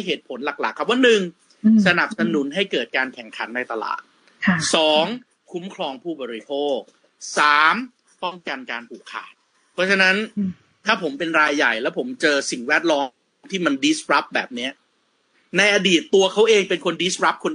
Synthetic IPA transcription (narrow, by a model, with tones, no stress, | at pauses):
jɦeː˨˩t̪̚pʰo˩˦nla˨˩k̚la̰˨˩kʰːa˦˥p̚waː˥˩nɯ˨˩ŋ | sa˧na˨˩p̚sa˧nu˩˦nɦa˥˩jkɤː˨˩t̪̚kaː˧nkʰɛ˨˩ŋkʰa˩˦nːa˧jt̪a˧la̰ː˨˩t̪̚ʰ | sɔː˩˦ŋ | kʰu˦˥mkʰɾɔː˧ŋpʰuː˥˩bɔː˧ɾi˦˥pʰoː˥˩k̚ | saː˩˦m | pɔ˥˩ŋka˧nkaː˧np̪ʰuː˨˩kʰːa̰ː˨˩t̪̚ | pʰɔ˦˥t͡ɕʰa˧na˦˥n | t̪ʰaː˥˩pʰo˩˦mpe˧nɾaː˧jːa˨˩jlɛː˦˥wpʰo˩˦mt͡ɕɤː˧si˨˩ŋwɛ˦˥˩t̪̚lɔː˧ | t̪ʰiː˥˩ma˧ndi˦˥sɾa˦˥p̚bɛː˨˩p̚ni˦˥ɐ | na˧jʔa˧diː˨˩t̪ːu˧ɐkʰa˦˥wʔeː˧ŋpe˧nkʰo˧ndi˦˥sɾa˦˥p̚kʰo˧n